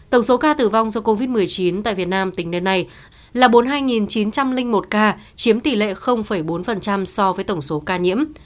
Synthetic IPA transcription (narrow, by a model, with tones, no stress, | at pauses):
t̪ə˧˩wŋ͡mso˨˦kaː˧t̪ɨ˧˩va˧wŋ͡mzɔ˧ko˧vi˦˥t̚mɨ˨˩əjt͡ɕi˨˦nt̪a̰ː˧˨jvi˨˩ət̚naː˧mt̪ï˧˩ŋ̟ne˧nːa˧j | laː˨˩ɓo˨˦nɦaː˧jŋi˨˩nt͡ɕi˨˦nt͡ɕa˧mlï˧ŋ̟mo˨˩t̚kaː˧t͡ɕi˨˦əmt̪i˧˩lḛ˧˨xə˧wŋ͡mfə˧˩jɓo˨˦nfə˨˩nt͡ɕa˧msɔ˧vəː˨˦jt̪ə˧˩wŋ͡mso˨˦kaː˧ɲḭ˧˥əm